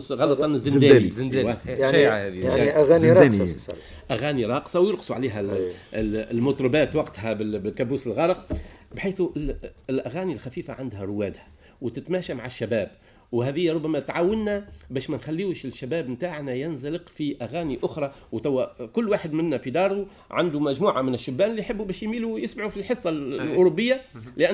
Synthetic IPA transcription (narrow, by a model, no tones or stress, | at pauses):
ɣɑlːɑtˤɑnɪzːɪd̪æːinːæjaʃʕahæðijaʕiʔæɣæːnɾˤɑ̰ | ʔæɣæːniɾˤɑːqsˤɑwjʊɾqsˤuʕaliːɦæ | lmʊt̪ˤɾˤɑbæːt̪wɑqt̪ɦæbɪbɪkæbuːsɪlɣɑləq̚bħaːθulʔæɣæːnilxæfiːfaʕand̪hæɾˤʊwæːd̪hæ̥ | wt̪ɪt̪mæːʃamaʕaʃːæbæːb̚ | wɦæːðɪjːɾˤʊbːæmæt̪ʕaːwɪnːæbæːʃmænxælːiːwʃɪʃːæbæːbmt̪aːʕnæjænzalɪqfiʔæɣæːniʔʊxɾˤɑ | wt̪æwːækʊlːwaːħɪd̪mɪnːæfid̪ɑːɾˤu | ʕand̪umæʒmuːʕamɪnɪʃːʊbːæːnɪlːijħɪbːubæːʃjmiːlujɪsmaʕufilħɨsˤːɑlʔʊɾˤʊbːɪjːalɪʔæ